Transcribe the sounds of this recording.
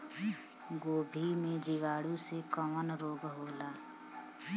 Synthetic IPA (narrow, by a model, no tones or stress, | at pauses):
ɡoːbʱimẽd͡ʒɪʋaːɽũsekəmənɾoːɡɦoːlaː